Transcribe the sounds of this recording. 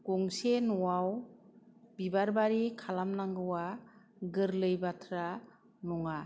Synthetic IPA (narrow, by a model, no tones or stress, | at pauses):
ɡ̥ɔŋsenɔwaw | bibaɾbaɾikʰalamnaŋɡɯwa | ɡɯɾlɯjbatʰɾa | nɔŋa